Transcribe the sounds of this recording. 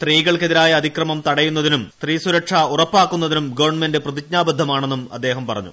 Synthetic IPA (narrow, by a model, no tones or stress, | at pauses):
st̪riːɣɐɭkeðiɾaːjɐːd̪ʱikrɐmɐmt̪ɐɽɐjunːɐðinumst̪riːsuɾɐʈʂɐurɐpːaːkːunːɐðinumɡɐʋɐɳmendeprɐðikɲaːbɐd̪ʱːɐmaːɳe̞nːumɐ̰d̪ːe̞ːɦɐmpɐrɐ̰ɲːṵ